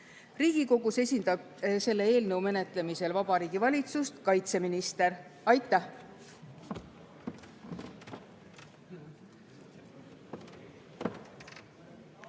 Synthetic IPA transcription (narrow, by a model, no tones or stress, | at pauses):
riːɡ̥iko̞ɡ̥use̞sʲind̪̥ɑb̚ | se̞lːe̞e̞ːlnɤ̞wme̞ne̞t̪ˑle̞mise̞lvɑb̥ɑɾiːɡ̥ivɑlʲit̪sust̪kɑjt̪se̞minist̪e̞ɾɑjt̪ːˑæh